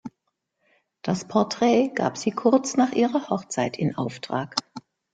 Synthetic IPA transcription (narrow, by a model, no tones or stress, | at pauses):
d̥aspʰɔɐtʁ̥ɛːɡ̥a̰ːpz̥iːkʰʊɐt͡snaːχʔiːʁɐhɔχt͡saɪtʰɪnʔa̰ʊftʁ̥aːk